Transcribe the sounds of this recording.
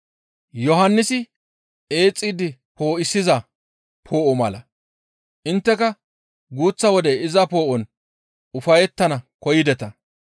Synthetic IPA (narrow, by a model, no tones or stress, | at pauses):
jɔɦɐnːɪsɪ | e̞ːt͡sʼːiːd̪ɪ | po̞ːʔɪsːɪzɐ | pʰo̞ːʔɔmɐlɐ | ʔɪnt̪ːɛkɐ | ɡuːt͡sːɐwɔd̪ɛɪzɐpo̞ːʔɔn | ʊfɐjɛt̪ːɐnɐkɔjɪd̪ɛt̪ɐ